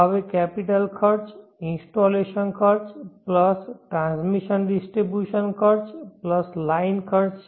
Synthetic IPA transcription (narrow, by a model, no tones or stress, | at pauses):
aʋekɛpiʈəlkʰəɾt͡ʃĩnsʈoleʃənkʰəɾt͡ʃpləsʈɾãnsmiʃənɖisʈɾibjuʃənkʰəɾt͡ʃpləslaɪnkʰəɾt͡ʃ